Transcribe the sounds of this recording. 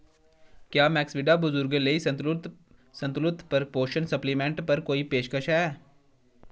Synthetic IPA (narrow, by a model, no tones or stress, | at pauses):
kjaːmɛːksʋɪɖabʊzʊɾɡelei | sɐ̃nt̪lʊt̪pɐɾpoːʃənsɐplimẽːɳʈpɐɾkoːipeːʃkəʃɦɛː